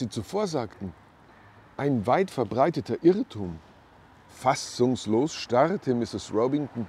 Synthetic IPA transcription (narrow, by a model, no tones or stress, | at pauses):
z̥iːt͡sufoːɐzaːktn̩ | ʔaɪnvaɪtfɛɐbʁaɪtətʰɐʔɪʁətʰuːm | fasʊŋsloːsʃtaʁtʰəmɪsɪsʁoʊbɪŋtn̩